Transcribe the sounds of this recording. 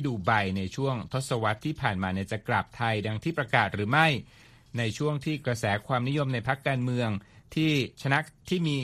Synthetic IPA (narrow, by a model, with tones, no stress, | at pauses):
duː˨˩ba˧jna˧jt͡ɕʰu˥˩əŋt̪ʰo˦˥t̪̚sa˧wa˦˥t̪ʰːiː˥˩pʰaː˨˩nmaː˧ni˦˥˩t͡ɕa˨˩kla˨˩p̚t̪ʰa˧jda˧ŋt̪ʰiː˥˩pɾa˧kaː˨˩t̪̚ɾɯː˩˦ma˥˩j | na˧jt͡ɕʰu˥˩əŋt̪ʰiː˥˩kɾa˧sɛː˩˦kʰwaː˧mni˦˥jo˧mna˧jpʰa˦˥kːaː˧nmɯ˧əŋt̪ʰiː˥˩t͡ɕʰa˧na˦˥t̪ʰiː˥˩miː˧